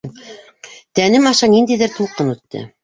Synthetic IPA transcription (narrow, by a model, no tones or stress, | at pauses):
t̪ænɘmɑʃɑnind̪æjðɘɾt̪ulˠqɤnʉt̪ːɘ̰